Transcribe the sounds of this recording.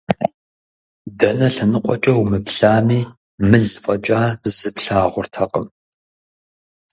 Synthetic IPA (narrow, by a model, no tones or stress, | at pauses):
dɐnɐɬɐnɨqʷʼɔt͡ʃʼɐwmɨpɬaːmiː | mɨɮfʷʼɐt͡ʃʼaːzɨpɬaːʁʷʊrtʰɐqʼəm